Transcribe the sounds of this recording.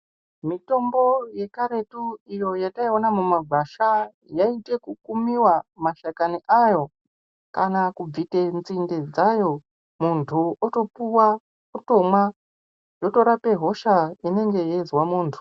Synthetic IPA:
mito̞mbo̞je̞kaɾe̞tuijo̞jataio̞namumaɡʱaʃa | jaite̞kukumiwamaʃakaniʔajo̞ | kanakub͡vite̞nt͡sinded͡zajo̞ | muntʰuoto̞puwa | kuto̞mwa | jo̞to̞ɾape̞ɦo̞ʃaine̞ŋɡe̞jezwamuːntʰu̥

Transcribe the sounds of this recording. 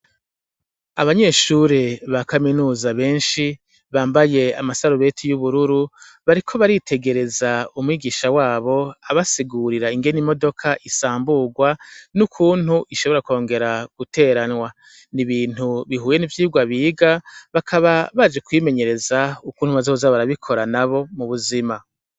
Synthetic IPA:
a̰βaɲe̞ʃuɾeβakaminuːzaβe̞ːnʃi | βaːmbaje̞a̰masaɾuβe̞tʰijuβuɾuɾu | βaɾikʰo̞βaɾitʰe̞ɡe̞ɾe̞zaumŋwiːɡiːʃawaːβo̞aβasiɡuɾiɾaiŋɡe̞nimo̞do̞kʰaʔisaːmbuɡwanukʰuːn̥huʔiʃoβo̞ɾako̞ːŋɡe̞ɾaɡ̥utʰe̞ːɾanŋwa | niβiːn̥huβiɦuːje̞nivjiːuɡwaβiːɡaβakʰaβaβad͡ʒekwiːme̞ɲe̞ɾe̞zaukuːnhuβazozaβaɾaβikʰo̞ɾanaβo̞muβuzima

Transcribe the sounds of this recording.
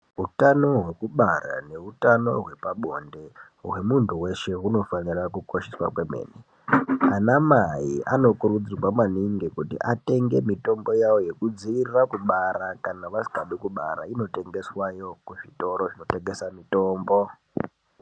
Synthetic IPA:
ɦutano̞ɦwe̞kuɓara̰ne̞utano̞̰ɦwe̞paɓo̞nde̞ | ɦwe̞muntuwe̞ʃe̞ɦuno̞fanirakuko̞ʃiswa̰kwe̞me̞̰ːne | anamaḭa̰no̞kuɾud͡zirwamaniŋɡikutḭʔate̞ŋɡe̞mito̞mbo̞jawo̞je̞kud͡ziirirakuɓaɾakanaʋasi̥kaɗikuɓa̰ɾa̰ino̞te̞ŋɡe̞swajo̞kuʐito̞ɾo̞ʐino̞te̞ŋɡe̞samito̞ːmbo̞

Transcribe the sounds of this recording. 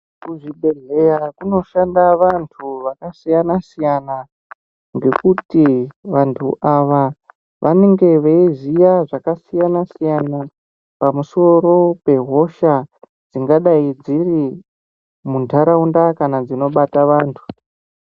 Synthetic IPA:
kuʐiɓe̞ɮe̞jakuno̞ʃandaʋantʰuʋakasijanasijana | ŋɡe̞kutiʋantʰṵʔaʋa | ʋʔa̰ne̞ŋɡe̞ʋeizijaʐakasijanasijana | pamuso̞ɾo̞pe̞ɦo̞ʃa | d͡ziŋɡaɗaid͡ziri | muntʰaɾaundakanad͡zino̞ɓataʋaːntʰu̥

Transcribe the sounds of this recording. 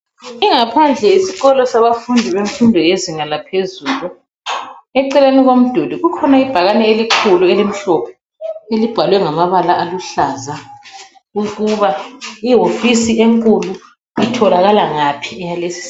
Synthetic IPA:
iŋapʰand͡ɮʱɛisiɣɔlɔsaβafundʱiβeɱfundʱɔjeziŋalapʰezuːlu | ɛǀɛleniɣom̩d̥ʱodiɣukʰɔnaib̥ʱaɣanɛelikʰuluelim̩ɬɔpʰɔ | elib̥ʱalwɛŋamaβalaʔaluɬaːza | uɣuβaiɦofisieŋkʼulu | itʰɔlaɣalaŋapʰiɛjalesi̥

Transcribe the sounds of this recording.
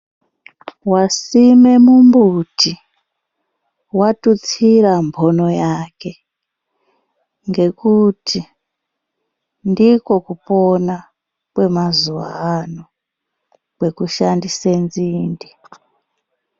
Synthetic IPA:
wasime̞mumbutʰi | watut͡siɾambʰʱo̞no̞jake̞ | ŋɡe̞kutʰi | ndiko̞kupo̞na | kwe̞mazuʋa̰ːno | kwe̞kuʃandisenziːndi

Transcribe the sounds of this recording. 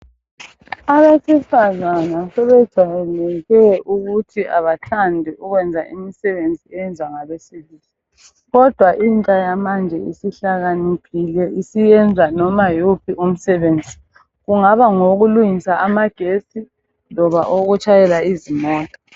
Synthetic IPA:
aβesifazanasɛβɛd̥ʒ̥ʱajɛnɛɣɛʔuɣutʰiʔa̰βatʰandʱiʔuɣwɛnd͡zʱaʔḭmisɛβend͡zʱiɛɛnd͡zʱwaŋaβesiβiːli | ɣɔd̥ʱwaʔintʼajamand͡ʒʱɛisiɬaɣanikʰilɛʔisijɛnd͡zʱanɔmajopʰiʔum̩sɛβeːnd͡zʱi | ɣuŋaβaŋoɣuluŋisaʔamaɡ̥ʱesi | nɔβa̰ʔoɣut͡ʃʰʼajɛlaizimɔːtʼa

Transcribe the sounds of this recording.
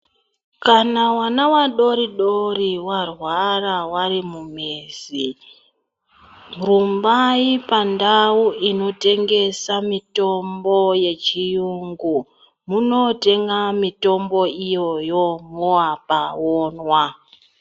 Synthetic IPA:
kanawanawaɗo̞ɾiɗo̞riwarwarawaɾimumezi | mrumbaipandawuʔino̞te̞ŋɡe̞samito̞mbo̞je̞t͡ʃijuŋɡu | muno̞te̞ŋɡamito̞mbo̞ijo̞jo̞mowapaoːnwa

